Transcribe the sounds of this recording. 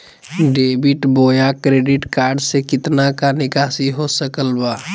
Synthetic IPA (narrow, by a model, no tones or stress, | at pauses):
ɖebiʈbojakɾeɖiʈkaɾɖsekɪt̪nakanɪkasiɦosəkəlba